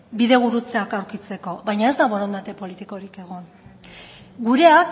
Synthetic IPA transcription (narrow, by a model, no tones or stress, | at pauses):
biðe̞ɣ̞uɾut͡se̞akawɾkit͡se̞ko̞βajɲae̞zd̪aβoɾo̞nd̪at̪e̞po̞lit̪iko̞ɾike̞ɣ̞on | ɡuɾe̞ak